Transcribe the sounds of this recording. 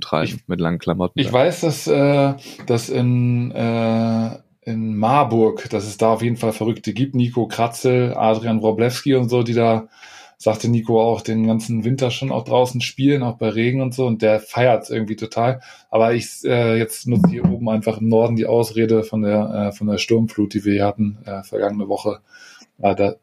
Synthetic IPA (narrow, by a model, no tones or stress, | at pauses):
tʁ̥a̰ɪɪmɪtla̰ŋən̩kʰlamɔtn̩ɪv̥aɪsd̥asʔɛːd̥asɪnɛː | ʔɪnmaɐbʊɐkd̥asɛsd̥aːaʊfjeːdn̩falfɛʁ̞ʏktʰəɡiːp̚tniːkʰokʁ̥at͡sl̩ʔa̰ːdʁianʁoblɛfskiʊntz̥oːdiːdaː | z̥aktəniːkoaʊxd̥eːnɡant͡sn̩vɪntɐʃoːnʔa̰ʊχd̥ʁaʊsn̩ʃpiːlənaʊxb̥aɪʁeːɡŋ̩ʊntz̥oːʊnt̚d̥eːɐfaɪɐtʔɪ̰ɐɡŋ̩tv̥iːtʰotʰaːl | ʔaːbɐɪçʔɛːjɛt͡stnʊt͡səhiːɐʔoːbm̩aɪnfaχɪmnɔɐdn̩diːʔaʊsʁeːdəfɔndeːɐʔɛːfɔndeːɐʃtʊɐmfluːt̚d̥iːviːɐhiɐhatn̩ʔɛːfɛɐɡaŋənəvɔχəʔadaː